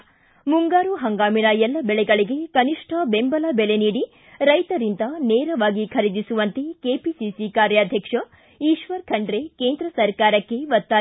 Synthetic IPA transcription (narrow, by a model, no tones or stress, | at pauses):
muŋɡaːɾuɦɐŋɡaːminɐɛlːɐbɛɭɛɡɐɭiɡe̞kɐniʂʈʰɐbembɐlɐbɛɭe̞niːɽi | ɾɐjt̪ɐɾind̪ɐneːɾɐʋaːɡikʰɐɾid̪isuʋɐnt̪e̞keːpisisikaːɾjɐːd̪ʱjɐkʂɐ | iːʃʋɐɾkʰɐɳɖɾekeːnd̪ɾɐsɐɾkaːɾɐkːe̞ʋɐt̪ːaː